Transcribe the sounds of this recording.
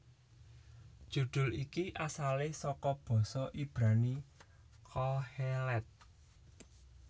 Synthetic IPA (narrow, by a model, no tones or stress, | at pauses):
d̥ʒ̥ṳd̪̥ʊ̤likiʔasalɪsɔkɔb̥ɔ̤sɔʔib̥ɾani | kʰɔhɛlɛt̪̚